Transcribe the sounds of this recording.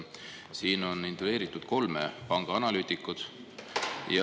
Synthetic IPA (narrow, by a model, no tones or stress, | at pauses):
siːno̞nint̪ole̞ːɾit̪ːˑud̪̥ko̞lmḛpɑŋɡ̥ɑɑnɑlyːt̪ʲˑikːˑut̪ | jɑ